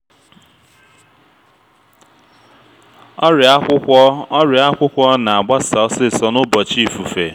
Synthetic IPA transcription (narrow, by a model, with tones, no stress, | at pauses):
ɔ˦ɾʷɾɪ˨a˦kʷʊ˦kʷɔ˦na˨a˨ɡ͡ba˦sa˨ɔ˦sɪ˦˨sɔ˦nʊ˦bɔ˨t͡ʃi˦˨fu˨fe˨